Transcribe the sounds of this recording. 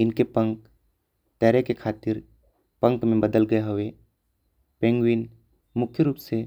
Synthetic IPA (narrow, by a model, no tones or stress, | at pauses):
ɪnkepə̃ŋk | t̪ɛːɾekekʰaːt̪ɪɾ | pə̃ŋkmẽbəd̪əlɡɐeɦoʋe | pẽːŋɡwin | mʊkʰjəɾuːpse